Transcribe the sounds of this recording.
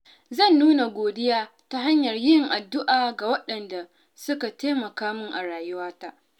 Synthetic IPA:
zɐ˦˨nːuː˦na˨ɡʷoː˨dɪ˦jaː˦ | ta˦ɦa˦ɲjɐ˨rjɪ˦ŋʔa˨dːʊ˦ʔaː˨ɡa˨wɐ˦ɗɐ˨nda˨ | sʊ˦ka˨teː˦mɐ˨kaː˦mʊ˦ŋʔa˨ɽaː˨jʊ˦waː˦ta˦ʔ

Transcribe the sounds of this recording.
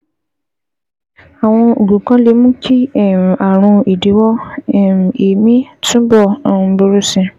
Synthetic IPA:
a˨w̃ɔ̃˧o̰˨ɡũ˨kã˨˦le˨˦mũ˦kʰi˦˨a˨ɾ̃ũ˧i˨de˨˦wɔ˦˨m˨e˨mĩ˦tũ˦bɔ̃˦˨˦bo˧ɾu˦sĩ˧

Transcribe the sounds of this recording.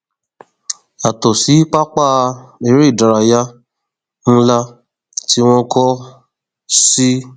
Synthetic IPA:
a˨tɔ˨si˨˦k͡pa˦k͡pa˦˨˧e˨ɾe˦i˦˨da˨˧ɾa˧ja˦ | ñ̩˦la˦ | ti˦w̃ɔ̃˦kɔ˦ | si˦

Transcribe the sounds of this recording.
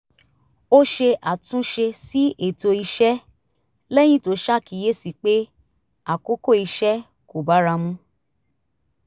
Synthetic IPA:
o˦ʃe˧ʔa˨tũ˨˦ʃe˧si˦ʔe˨to˧i˧ʃɛ˦ | lɛ˦j̃ĩ˦to˨˦ʃa˦˨kʰi˨je˦si˨k͡pe˦ | a˨ko˦ko˦˨i˧ʃɛ˦ | ko˨ba˨˦ɾa˧mũ˦

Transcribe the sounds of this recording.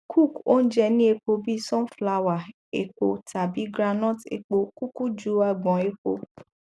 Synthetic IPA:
kʰu˦˨ko˦n̩˦d͡ʒɛ˧nĩ˦e˧k͡po˧bi˦sɔ̃˦n˦fla˧wa˨ | ḛ˨k͡po˨tʰa˨bi˨˦ɡɾa˧nɔ̃˦˨tḛ˨k͡po˧ku˦ku˦d͡ʒu˨˦a˦˧˨ɡ͡bɔ̃˨˦e˦ko̰˧

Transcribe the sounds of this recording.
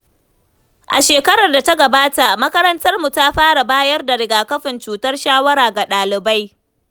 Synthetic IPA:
ʔa̰˨ʃeː˨kɐ˦ɽɐ˨rda˨ta˦ɡɐ˨baː˦ta˨mɐ˦kɐ˦ɾɐ˦ntɐ˦rmu˨ta˦ɸaː˦ɽa˨baː˦jɐ˦rda˨ɽɪ˨ɡaː˨kɐ˦ɸɪ˨nt͡ʃuː˨tɐ˦rʃaː˦wɐ˦ɾaː˨ɡa˨ɗaː˨lɪ˨ba˦j

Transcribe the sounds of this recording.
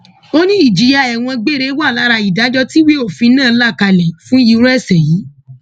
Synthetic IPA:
o˦nĩ˦i˦˨d͡ʒi˨ja˧ɛ˨w̃ɔ̃˧ɡ͡be˦ɾe˦wa˦˨la˨˦ɾa˧i˨da˨˦d͡ʒɔ˧˦ti˦wi˦o˦˨fĩ˧nãː˦˨˧la˦˨ka˧lɛ˨fũ˦ju˧˦ɾɛ˦˨sɛ˨ji˨˦

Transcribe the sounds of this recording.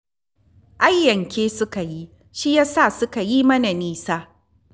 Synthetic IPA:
ʔa˦jːɐ˨ŋkʲeː˦sʊ˦ka˨ji˦ | ʃi˦jaː˦saː˦˨sʊ˦ka˨ji˦mɐ˦na˨niː˦saː˦

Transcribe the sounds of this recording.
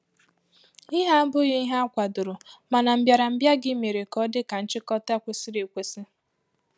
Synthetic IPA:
i˦ɦa˦bʊ˦ɣe˦i˦ɦa˦a˦kʷa˨dʊ˨ɾʊ˨ma˨na˨m̩˦bja˨ɾa˨m̩˦bja˦ɡɪ˦me˨ɾe˨kɔ˦dɪ˦ka˨n̩˦t͡ʃɪ˦kɔ˦ta˦kʷe˨si˦ɾe˨kʷe˦si˦

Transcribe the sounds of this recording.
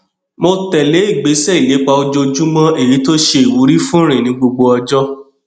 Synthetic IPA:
mo˧tɛ˨le˨˦i˦˨ɡ͡be˨˦sɛ˦i˨le˨˦k͡pa˧o˧d͡ʒo˧d͡ʒu˦mɔ̃˦e˦˨ji˨˦to˦ʃe˧i˨wu˨˦ɾi˦fũ˦ɾ̃ĩ˨nĩ˨˦ɡ͡bo˧ɡ͡bo˧ɔ˧d͡ʒɔ˦

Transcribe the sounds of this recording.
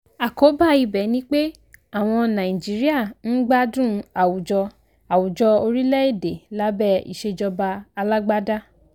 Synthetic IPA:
a˨ko˨˦ba˦˨i˨bɛ˨˦nĩ˦k͡pe˦ | a˦˨w̃ɔ̃˧nã˨ĩ˨d͡ʒi˨˦ɾi˦a˦˨n̩˦ɡ͡ba˦dũ˦a˨wu˨d͡ʒɔ˧ | a˨wu˨d͡ʒɔ˧o˧ɾi˦lɛ˦e˦˨de˨la˦bɛ˦˨ḭ˨ʃe˧d͡ʒɔ˧ba˧a˧la˦ɡ͡ba˦da˦

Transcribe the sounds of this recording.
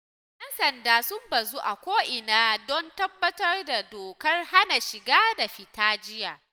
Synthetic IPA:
jɐ˦nsɐ˨ndaː˦sʊ˦mbɐ˨zu˦ʔa̰˨kʷoː˦ʔɪ˨naː˦dɔ˦ntɐ˦bːɐ˦tɐ˦rda˨doː˨kɐ˦rha˦na˨ʃɪ˨ɡaː˦da˨ɸɪ˨taː˦d͡ʒɪ˦jaː˨

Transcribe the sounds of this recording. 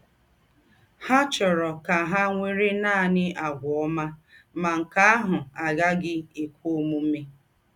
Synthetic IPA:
ha˦t͡ʃɔ˨ɾɔ˨ka˨ɦa˦ŋʷe˦ɾe˦naː˦a˨nɪ˦ʔa˨ɡʷʊ˨ɔ˦ma˦ma˨ŋ̩˨ka˦a˦ɦʊ˨a˨ɡa˦ɡɪ˦e˨kʷo˦mu˦m̩˦me˦

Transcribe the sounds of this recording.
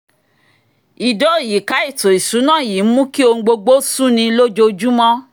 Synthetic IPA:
i˨do˨˦˨ji˨ka˨˦i˦˨to˨i˨sũ˨˦nãː˦˨ji˨˦m̩˦mũ˦ki˦o˧ŋ̩˦ɡ͡bo˧ɡ͡bo˦sũ˦nĩ˧lo˦d͡ʒo˧d͡ʒu˦mɔ̃˦

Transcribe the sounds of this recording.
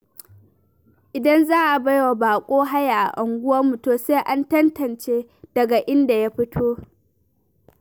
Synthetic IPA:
ʔɪ˨dɐ˦nzaː˦ʔa˨ba˦jwa˨baː˨kʷʼoː˦ɦa˦ja˨ʔa̰˨ʔa˨ŋɡʷʊ˦wɐ˦mu˨toː˨se˦ʔa˦ntɐ˦ntɐ˨nt͡ʃeː˦d̥ɐ˨ɡa˨ʔɪ˦nda˨ja˦ɸɪ˦tʰoː˦

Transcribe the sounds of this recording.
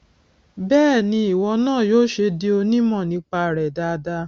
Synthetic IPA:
bɛː˦˨nĩ˧i˨wɔ˧nãː˦˨joː˦ʃe˧de˧˦o˧nĩ˦mɔ̃˦˨nĩ˧˦k͡pa˧˨ɾɛ˨da˧da˧˦

